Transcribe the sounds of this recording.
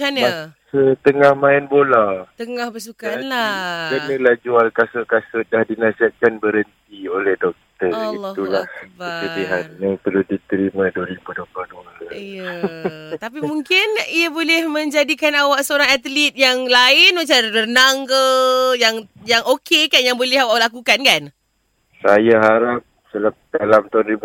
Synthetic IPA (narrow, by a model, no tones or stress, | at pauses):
t͡ʃanamasət̪əŋahmãɪnbolat̪əŋahbəs̬ukanlakənəlad͡ʒualkasʊkasʊdahdinasiɦat̪̚kanbəɾənt̪iolɛhdɔk̚t̪ərilːt̪ulahbət͡ʃəbiɦanjat̪əludit̪əɾimãduəɾibudobadahəij | t̪ap̬imũŋkɪnijabolɛhmə̃ɲd͡ʒadikanawaʔsəoɾaŋat̪lit̪̚jaŋlaɪnmãt͡ʃaɾlərnaŋkəjaŋjaŋokekanjaŋbolɛhawaʔlakukankan | sajaɦaɾap̚səlap̚dalamt̪anɾibu